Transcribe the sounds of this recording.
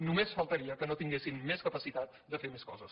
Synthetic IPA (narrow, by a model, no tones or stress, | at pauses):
numesfəlˠt̪əɾiəkənot̪iŋɡesimmeskəpəsit̪at̪d̪əfemeskɔzəs